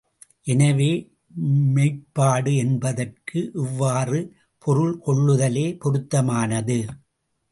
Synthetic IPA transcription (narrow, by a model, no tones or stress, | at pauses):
ʔɛnɐʋeː | mɐɪpːaːɽɯɛnbɐðɐrkɯʔɪʋːaːrɯ | pʰɔɾɯɭkɔɭːɯðɐleːpɔɾɯt̪ːɐmaːnɐðɯ